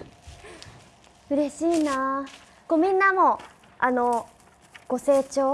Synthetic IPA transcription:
ɯ̟ɾe̞ɕiːna | komʲĩnːamo̞ | ano̞ | ɡ̥o̞se̞ːt͡ɕo̞ː

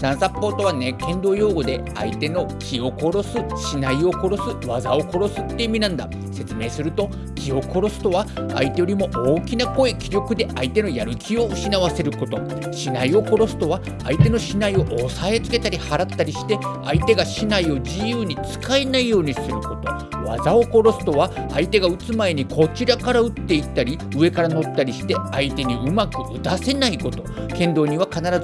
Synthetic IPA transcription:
d̪̥ãsapːo̞ːt̪o̞βanekẽ̞nd̪o̞ːjo̞ːɡo̞d̪e̞ | a̰it̪e̞no̞kʲʰio̞ko̞ɾo̞sɨɕinaio̞ko̞ɾo̞sɨβazao̞ko̞ɾo̞sɨt̪ːe̞imʲinãnd̪a̰ | se̞t͡sɨme̞ːsɨɾɯ̟t̪o̞ | kʲʰio̞ko̞ɾo̞sɨ̥t̪o̞βaa̰it̪ejo̞ɾʲimo̞ʔoːkʲinako̞ekʲiɾʲo̞kɯ̟d̪e̞ʔait̪e̞no̞jaɾɯ̟kʲio̞ɯ̟ɕinaβase̞ɾɯ̟ko̞t̪o̞ | ɕinaio̞ko̞ɾo̞sɨ̥t̪o̞βaː | it̪e̞no̞ɕinaio̞ʔːsae̞t͡sɨ̥ke̞t̪aɾʲihaɾat̪ːaɾʲiɕi̥t̪e̞ | ait̪e̞ɡaɕinaio̞d͡ʑijɯːɲ̟it͡sɨ̥kaenaijo̞ːɲ̟isɨɾɯ̟ko̞t̪o̞ | βa̰zao̞ko̞ɾo̞sɨ̥t̪o̞βaː | it̪e̞ɡaɯ̟t͡sɨmae̞ɲ̟ikʰo̞t͡ɕiɾakaɾaɯ̟t̪ːe̞it̪ːaɾʲi | ɯ̟e̞kaɾano̞t̪ːaɾʲiɕi̥t̪e̞ait̪e̞ɲ̟iɯ̟makɯ̟ɯt̪ase̞naiko̞t̪o̞ | kẽ̞nd̪o̞ːɲ̟iβakanaɾaz

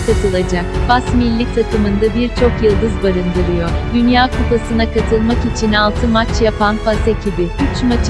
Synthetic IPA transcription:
kat̪ʰɯlˠad͡ʒakbasmilʲːic̚t̪ʰat̪ʰɯmɯnd̪abiɾt͡ʃʰo̞kjɯlˠd̪ɯzbaɾɯnd̪ɯɾɯjo̞ɾd̪ynjaːkʰupasɯnakʰat̪ʰɯlˠmakit͡ʃʰinalˠt̪ʰɯmat͡ʃjapʰanfasecʰibiyt͡ʃmat͡ʃ

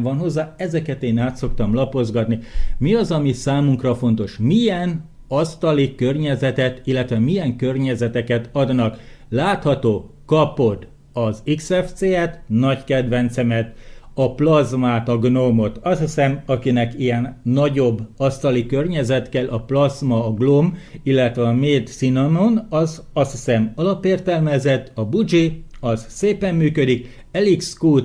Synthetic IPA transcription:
vɒnɦo̞zːaːɛzɛkɛt̪eːnaːt̪so̞kt̪ɒmlɒpo̞zɡɒt̪nimiɒzɒmisaːmuŋkrɒfo̞nt̪o̞ʃmiɛn | ɒst̪ɒlikørɲɛzɛt̪ɛt̪ilːɛt̪ʋɛmijɛŋkørɲɛzɛt̪ɛkɛt̪ɒd̪nɒk | laːt̪hɒt̪oːkɒpo̞d̪ | ɒziksɛft̪seːɛt̪nɒɟkɛd̪ʋɛnt̪sɛmɛt̪ɒplɒzmaːt̪ɒɡnomo̞t̪ɒshisɛmɒkinɛkijɛnːɒɟo̞bːɒst̪ɒlikørɲɛzɛt̪kɛlʔɒplɒzmɒːɡlomilːɛt̪ʋɛɒmeːd̪sinononɒzɒst̪isɛmɒlɒpeːrt̪ɛlmɛzɛt̪ːɒbud͡ʒiɒzseːpɛmːyːkød̪ik | ɛlikskuːt̪

